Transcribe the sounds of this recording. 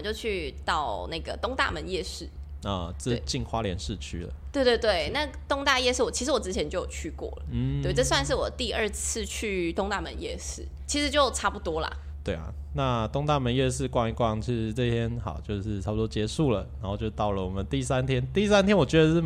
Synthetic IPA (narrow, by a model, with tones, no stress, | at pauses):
t͡ɕjo˥˧ʊt͡ɕʰy˥˧t̪ɑ˥˩ʊna˥˩ɡə˩t̪ʊ˥ŋt̪a̰˥˩mə˧˦njɛ˥˧ʂɻ̩˥˩ | ə˨˩t͡sɹ̩˥˧˩t͡ɕi˥˩nxwa˦˥ljɛ˧˦nʂɻ̩˥˧t͡ɕʰy˥lə̰˨˩t̪we˥˧ɪt̪we˥˧ɪt̪we˥˩ɪna˥˩t̪ʊ˥ŋt̪a˥˧jɛ˥˧ʂɻ̩˥˩wɔ˨˩t͡ɕʰi˧˥ʂɻ̩˧˥wɔ˨˩ʈ͡ʂɻ̩˥t͡ɕʰjɛ˧˦nt͡ɕo˥˩ʊjo˨˩t͡ɕʰy˥˧kwɔ̰˥˩lə̰˩we˥˩ɪʈ͡ʂɤ˥˧s̬wa˥˧nʂ̬ɻ̩˥˩wɔ˨˩t̪i˥˧ə˥˧t͡sʰɹ̩˥˧t͡ɕʰy˥˧t̪ʊ˥ŋt̪a˥˩mə̰˧˦njɛ̰˥˧ʂɻ̩˥˩t͡ɕʰi˧˥ʂɻ̩˧˥t͡ɕjo˥˩ʊʈ͡ʂʰa˥pu˥˩t̪wɔ˥lɐ̰˨˩ | t̪we˥˩ɪɐ̰˨˩ | na˥˧t̪ʊ˥ŋt̪a˥˩mə˧˦njɛ˥˧ʂɻ̩˥˧kwɑ˥˧ŋi˧˩kwɑ˥˩ŋt͡ɕʰi˧˥ʂɻ̩˧˥t͡sɤ˥˧t̪ʰjɛ˥nxɑ˨˩ʊt͡ɕjo˥˧ʊʂɻ̩˥˩ʈ͡ʂʰa˥p̚u˨˩o˥t͡ɕjɛ˧˦ʂu˥˩lə˩na˧˥nxo˥˧ʊt͡ɕjo˥˧˩t̪ɑ˥˩ʊlə˩wɔ˨˩mə˦nt̪i˥˧˥sa˦nt̪ʰjɛ˥nt̪i˥i˥sa˥nt̪ʰjɛ˥nwɔ˨˩t͡ɕɥɛ˧˥d̪ə˧˥˩